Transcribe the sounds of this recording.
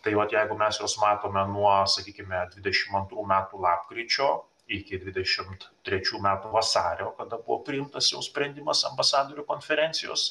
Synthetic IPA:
t̪ɐɪʋɐt̪jɛɪɡʊmʲɛsjoːsmɑːt̪oːmʲɛnuɔsɐkʲiːkʲɪmʲɛd̪ʲʋʲɪd̪ʲɛʃʲɪmɐnt̪ɾuːmʲæːt̪ulˠɑːpkɾʲiːt͡ʃʲoː | ɪkʲɪd̪ʲʋʲɪd̪ʲɛʃʲɪmt̪t̪ʲɾʲɛt͡ʃʲuːmʲæːt̪uːʋɐsɑːɾʲoːkɐd̪ɐbʊʋo̰pʲɾʲɪɪmt̪ɐsjɛʊsʲpʲɾʲɛnʲd̪ʲɪmɐsɐmbɐsɑːd̪oːɾʲukoːnʲfʲɛɾʲɛnʲt̪sʲɪjo̰ːs

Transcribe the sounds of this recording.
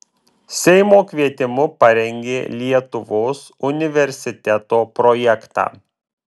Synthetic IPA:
sʲɛɪmoːkʲʋʲiɛt̪ʲɪmʊpɐɾʲɛŋʲɡʲeːlʲiɛt̪ʊʋoːsʊnʲɪʋʲɛɾʲsʲɪt̪ʲɛt̪oːpɾɔjɛkt̪ɑ̰ː

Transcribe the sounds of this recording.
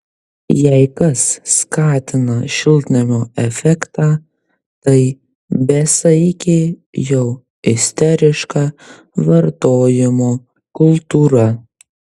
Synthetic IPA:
jɛɪkɐsːkɑːt̪ʲɪnɐʃʲɪlʲˠt̪ʲnʲɪmʲoːɛfʲɛkt̪ɑː | t̪ɐɪ | bʲɛsɐkʲɪjɛʊ | ɪsʲt̪ʲɛɾʲɪʃkɑː | ʋɐɾt̪oːjɪmoː | kʊlˠt̪uːɾɐ

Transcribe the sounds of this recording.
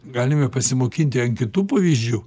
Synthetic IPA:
ɡɑːlʲɪmʲɛpɐsʲɪmoːkʲinʲt̪ʲɪɐnʲkʲɪt̪uːpɐʋʲiːzʲd͡ʒʲʊ

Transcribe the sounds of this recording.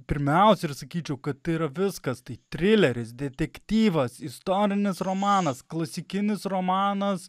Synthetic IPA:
pʲɪɾʲmʲɛˑʊsʲɛɪrsɐkʲiːt͡ʃʲɛʊkɐt̪t̪ɐiɾɐʋʲɪskɐst̪ɐɪt̪ʲɾʲɪlʲɛɾʲɪsd̪ʲɛt̪ʲɛkt̪ʲiːʋɐsɪst̪oːɾʲɪnʲɪsɾoːmɑːnɐsklˠɐsʲɪkʲɪnʲɪsɾoːmɑːnɐs

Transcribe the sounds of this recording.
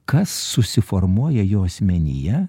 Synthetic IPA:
kɐsːʊsʲɪfɔɾmuɔjɛjoːɐsʲmʲɛnʲḭjɛ

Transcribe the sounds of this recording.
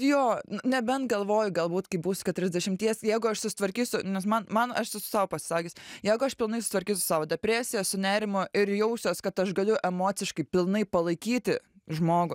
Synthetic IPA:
joːnʊnʲɛbʲɛnt̪ɡɐlˠʋoːjʊɡɐlˠbuːt̪kɐɪbuːsʊ̥kʲɛt̪ʊɾʲɛzʲd̪ʲɛʃʲɪmʲt̪ʲiɛsjɛɪɡʊɐʃsʊsʲɪ̥t̪ʋɐɾʲkʲiːsʲʊnʲɛsmɐnmɐnɐʃsʊsɑːʋopɐsʲɪ̥sɑːkʲɪːsʲjɛːɡʊɐʃpʲɪlˠnɐɪsʊ̥ɪt̪ʋɐɾʲkʲiːsʲʊsɑːʋoːdʲɛpʲɾʲæːsʲɪjɛːssʊnʲæːɾʲɪmʊɪɾjɛʊsʲoːskɐt̪ɐʃɡɐlʲʊʔɛmoːt͡ssʲɪʃkɐɪpʲɪlˠnɐɪpɐlˠɐɪkʲiːt̪ʲɪʒmoːɡʊ

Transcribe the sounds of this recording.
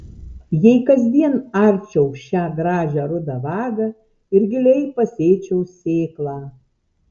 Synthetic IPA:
jɛɪkɐzʲd̪ʲiɛnɑɾʲt͡ʃʲɛʊʃʲæːɡɾɑːʒʲæːɾʊd̪ɑʋɑːɡɐ | ɪɾɡʲɪlʲɛɪpɐsʲeːt͡ʃʲɛʊsʲeːklˠɑː

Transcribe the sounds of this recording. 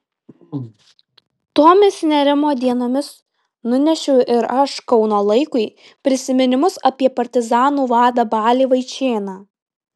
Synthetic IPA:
t̪oːmʲɪsnʲɛɾʲɪmoːd̪ʲiɛnoːmʲɪs | nʊnʲɛʃʲʊʊɪɾɐʃkɒʊnoːlˠɐɪkʊɪ | pʲɾʲɪsʲɪmʲɪnʲɪmʊsɐpʲiɛpɐɾʲt̪ʲɪzɑːnuːʋɑːd̪ɐbɑːlʲiːʋɐɪt͡ʃʲeːnɑː

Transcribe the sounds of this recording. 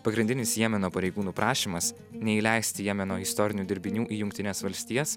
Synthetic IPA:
pɐɡɾʲɪnʲd̪ʲɪnʲɪsjiɛmʲɛnoːpɐɾʲɛɪɡuːnuːpɾʔɑːʃʲiːmɐs | nʲɛiːlʲɛɪsʲt̪ʲɪjiɛmʲɛnoːɪst̪ɔɾʲɪnʲuːd̪ʲɪɾʲbʲɪnʲuːʔiːjʊŋkt̪ʲɪnʲeːsʋɐlʲsʲt̪ʲiːjɛs

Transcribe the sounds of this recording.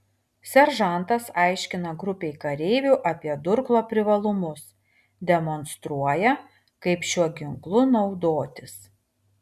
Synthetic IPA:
sʲɛɾʒɐˑnt̪ɐsɑˑɪʃʲkʲɪnɐɡɾʊpʲɛɪkɐɾʲɛɪʋʲuːˑʔɐpʲiɛd̪ʊɾklˠoːpʲɾʲɪʋɐlˠʊmʊs | d̪ʲɛmɔnst̪ɾuɔjɛ | kɐɪpʃʲuɔɡʲɪŋklˠʊnɒʊd̪oːt̪ʲɪs

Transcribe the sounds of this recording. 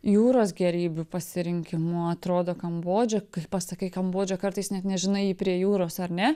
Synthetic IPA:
juːɾoːsɡʲɛɾʲiːbʲʊpɐsʲɪɾʲɪŋʲkʲɪmʊɐt̪ɾoːd̪oːkɐmboːd͡ʒʲoːkɐɪpɐsɐkʲɐɪkɐmboːd͡ʒʲoːkɐrt̪ɐɪsnʲɛt̪nʲɛʒʲɪnɐɪiːpʲɾʲiɛjuːɾoːsɐɾnʲɛ

